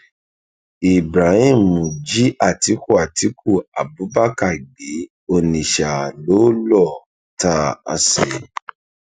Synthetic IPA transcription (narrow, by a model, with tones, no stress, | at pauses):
i˨bɾa˨˦hĩ˦˨mũ˨d͡ʒi˨˦a˦˨ti˨˦ku˦˨a˨ti˨˦kʰu˦˨a˨bu˨˦ba˦ka˦˨ɡ͡be˨˦ | o˧nĩ˨ʃa˨lo˨˦lɔ˦˨ | ta˦a̰˧se˨